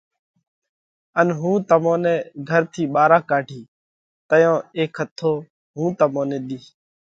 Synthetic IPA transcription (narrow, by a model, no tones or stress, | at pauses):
ənɦũːt̪əmõːnɛ̃ːɡʱəɾt̪ʰiːɓaːɾaːkaːʈiː | t̪əjõːeːkʰɦət̪ʰːoː | ɦũːt̪əmõːnẽːɗ̪iː